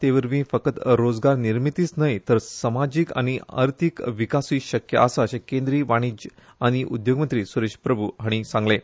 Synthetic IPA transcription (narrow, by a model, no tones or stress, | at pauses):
t̪eʋəɾʋĩfəkət̪ɾod͡zɡaɾniɾmit̪iːt͡snəjt̪əɾsəmad͡ʑika̰ɽ̃iə̰ɾt̪ʰikʋikasiːɕəkjə̰ʔasaəɕekẽnd̪ɾiːʋaɽ̃id͡ʑ | aɽ̃iʔud̪joɡmənt̪ɾiːsuɾeɕpɾəbʱuɦəɽ̃isãŋɡlẽ